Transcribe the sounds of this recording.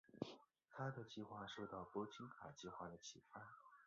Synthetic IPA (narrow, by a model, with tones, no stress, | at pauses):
t̪ʰa˥d̪ə˨t͡ɕi˥˧xwa˥˧ʂo˥˧ʊt̪ɑ˥˩ʊpwɔ˥t͡ɕʰi˥nkʰa˨˩t͡ɕi˥˧xwa˥˩d̪ə˩t͡ɕʰi˨˩fa˥n